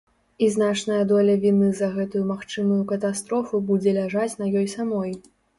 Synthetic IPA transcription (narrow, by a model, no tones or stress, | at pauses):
iznat͡ʂnɐjɐd̪ɔlʲɐvʲinɨzɐɣɛt̪ujumaxt͡ʂɨmujukɐt̪ast̪ɾɔfubud͡zʲɛlʲaʐat͡sʲnɐjɔjsamɔj